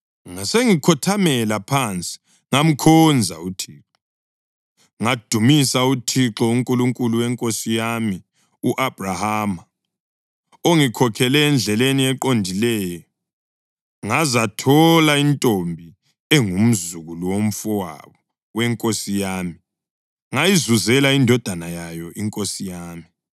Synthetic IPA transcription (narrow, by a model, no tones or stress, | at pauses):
ŋaseŋikʰɔtʰamɛlapʰant͡sʼi̥ | ŋam̩kʰɔnd͡zʱa̰utʰiːǁɔ | ŋad̥ʱumisautʰiǁɔuŋkʼuluŋkʼuluwɛŋkʼosijami | uʔab̥ʱrahaːma | oŋikʰɔkʰɛlɛːnd͡ɮʱɛleniɛǃondʱilɛːjɔ | ŋazatʰɔlaintʼombʱi | ɛŋum̩zuɣuluwom̩fɔwa̰βɔ | wɛŋkʼosijaːmi | ŋajizuzɛlaindʱɔd̥ʱanajajɔiŋkʼosijaːmi